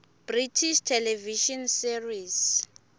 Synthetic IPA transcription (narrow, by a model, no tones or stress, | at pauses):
b̥ritʰiʃtʰɛlɛviʃɔnsiris